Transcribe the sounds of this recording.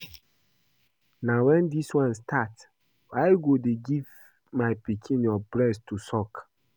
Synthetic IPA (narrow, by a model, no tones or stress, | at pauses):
nãwɛ̃ndiswãnstʰat | aɪɡodeɡiv | maɪpikʰĩnjɔbɾɛstʰːusɔk